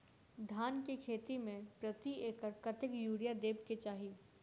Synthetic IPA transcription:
d̪ʱaːnkekʰeːt̪imẽpɾɐt̪ieːkəɾkɐt̪ɪkjuːɽijad̪eːbket͡ʃaːɦiː

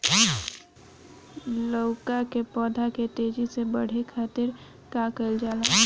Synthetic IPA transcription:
loʊkakepɔːd̪ʱaket̪eːd͡ʒisebəɽ̤ekʰat̪iɾ | kakəɪld͡ʒaːla

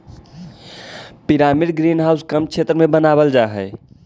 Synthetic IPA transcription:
piɾamiɾɡɾinɦawskəmkt͡ʃʰet̪ɾəmebənabəld͡ʒaɦə

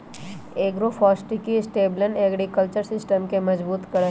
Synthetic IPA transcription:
eːɡɾofʰɔːsʈikisʈeːblənɛːɡɾikəlt͡ʃəɾsɪsʈəmkemɐd͡ʒbuːt̪kɐɽ

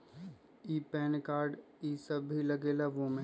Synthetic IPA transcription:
iːpɛːnkaːɾɖ | iːsɐbːʱilɐɡeːlaʋomẽ

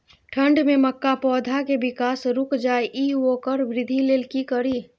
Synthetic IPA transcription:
ʈʰə̃ɳɖmẽməkːapɔːd̪ʱakebɪkaːsɾʊkd͡ʒaːeʔiːoːkəɾbɾɪd̪ʱːileːlkikəɾiː

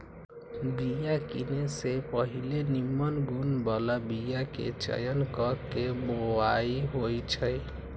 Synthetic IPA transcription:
bijakinesepəɦilenimːənɡunbalabijakḛt͡ʃə̰jənkəɾkebowaiɦojt͡ʃʰəj

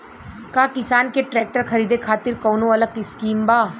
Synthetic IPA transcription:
kaːkɪsaːnkeʈɾɛːk̚ʈəɾxʰɐɾiːd̪ekʰaːt̪ɪɾkɔːnõɐləɡɪskiːmbaː

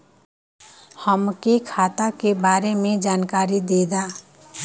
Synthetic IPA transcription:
həmkekʰat̪akebaːɾemed͡ʒaːnkaɾid̪ed̪a

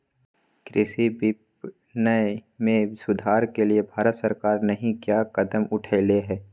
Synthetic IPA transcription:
kɾʔɪsibɪp | nəmẽsʊd̪ʱaːɾkeliebʱaːɾət̪səɾkaːɾnɐɦĩkjakɐd̪əmʊʈʰeːleɦɛː

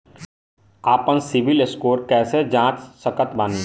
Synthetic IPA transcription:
aːpənsɪʋɪleskoːɾkɛːsed͡ʒãːt͡ʃsəkət̪baːniː

